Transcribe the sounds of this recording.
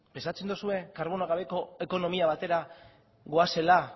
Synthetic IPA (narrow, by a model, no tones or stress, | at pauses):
pe̞nsat͡se̞nd̪usue̞kaɾβ̞o̞noaɣaβ̞e̞ko̞e̞ko̞no̞miaβ̞at̪e̞ɾa | ɣo̞ase̞la